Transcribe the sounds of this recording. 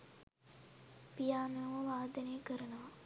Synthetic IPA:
pijaːmeoʋʋaːd̪ɐneːkəɾənoʋɐ

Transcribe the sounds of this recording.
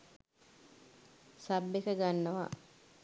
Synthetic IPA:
sabːekəɡanːɐʋa̰

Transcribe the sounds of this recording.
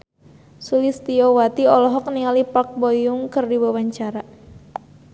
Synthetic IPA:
sulist̪iɔwat̪iɔlɔɦɔk̚nialipak̚bɔjuŋkɨrdiwawaɲt͡ʃaɾa

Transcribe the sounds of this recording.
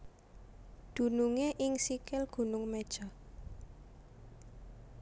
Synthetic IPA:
d̪̥ṳnuŋeʔɪŋsikɪlɡ̥ṳnʊŋmed̥ʒ̥ɔ

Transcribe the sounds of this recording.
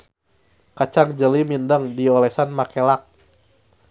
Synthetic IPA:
kat͡ʃaŋd͡ʒəlimindəŋdiɔlɛsanmakelak̚

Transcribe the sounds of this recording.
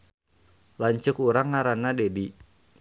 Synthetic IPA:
laɲt͡ʃʊkuɾaŋːaɾanadedi

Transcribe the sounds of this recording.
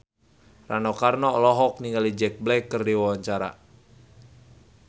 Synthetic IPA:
ranɔkarnɔlɔɦɔk̚niŋɡalid͡ʒɛk̚blɛkːɨrdiwawaɲt͡ʃaɾa̰

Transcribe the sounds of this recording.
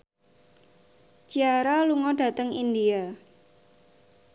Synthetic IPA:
d͡ʒ̥iaɾaluŋɔɖ̥a̤t̪əŋindia

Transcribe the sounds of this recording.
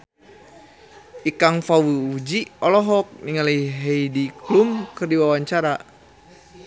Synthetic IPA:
ʔikaŋfawuud͡ʒiɔlɔɦɔk̚niŋaliɦeidiklumkərdiwawaɲt͡ʃaɾa

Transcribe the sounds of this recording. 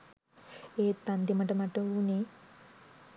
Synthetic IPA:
eːt̪ɐnd̪jɐmɐʈɐmɐʈːɐune

